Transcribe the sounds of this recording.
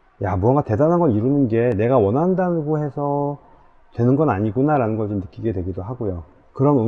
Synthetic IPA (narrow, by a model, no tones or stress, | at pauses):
jamuʌŋɡate̞danɦanɡʌɭiɾunɯnɡe̞ne̞ɡawʌnɦandanɯɡohe̞sʰʌ | twe̞nɯnɡʌnaɲiɡunaɾanɯnɡʌɭt͡ɕomnɯk͈iɡe̞dwe̞ɡidoɦaɡojo | kɯɾʌmɯ